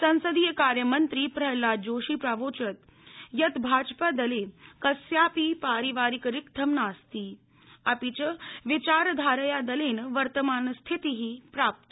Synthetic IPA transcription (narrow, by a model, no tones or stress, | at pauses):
sɐ̃ñsəd̪iːjəkaːɾjəmənt̪ɾiːpɾəɦlad͡ʑoːʃiːpɾaʋoːt͡ʃət̪ | jɐt̪bʱaːd͡ʒpad̪ɐlekɐsjaːpipaːɾiʋaːɾikɾikt̪ʰəmnaːst̪i | apit͡ɕəʋit͡ɕaːɾd̪ʱaːɾəjad̪ɐleːnʋɐɾt̪əmaːnst̪ʰit̪iɦiːpɾaːp̚t̪